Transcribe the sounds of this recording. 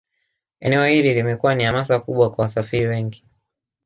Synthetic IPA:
ɛnɛɔhililimɛkuwanihamasakuɓwakwawasafiɾiwɛŋɡi

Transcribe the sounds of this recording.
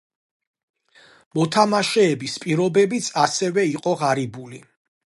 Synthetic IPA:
mɔt̪ʰamaʃɛːbispʼiɾɔbɛbit̪sʰasɛvɛiqʼɔʁaɾibuli

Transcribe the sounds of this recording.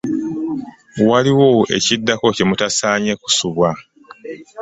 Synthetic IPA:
waliwoʔe̞̰cidːako̞cemutasaːɲe̞ku̥suβwa

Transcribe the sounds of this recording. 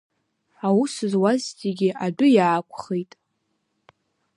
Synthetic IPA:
awusɨzwaztʰʼiɡʲɪʔadʊjaːkʷʰʼχejtʼ

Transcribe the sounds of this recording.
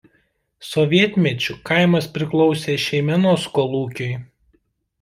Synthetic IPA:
sɔʋʲiɛt̪ʲmʲɛt͡ʃʲʊkaˑɪmɐspʲɾʲɪklˠɔʊsʲeːʃʲɛɪmʲɛnoːskɔːlˠuːkʲʊɪ

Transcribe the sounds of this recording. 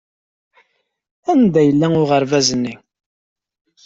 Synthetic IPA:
ænd̪æjəlːæʊʁəɾvæzənːi

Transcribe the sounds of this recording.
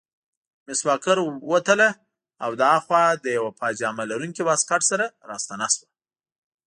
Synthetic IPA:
mɪswɑkaɾwət̪ala | awd̪ɑxwɑd̪əjawapɑd͡ʒɑmalaɾuŋkibɑskaʈsaɾaɾɑst̪anaswa

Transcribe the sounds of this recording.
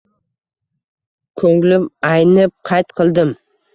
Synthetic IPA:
kʰɵŋlɪpajnɪp̚qʰɑjt̪qʰɨlˠd̪ɪm

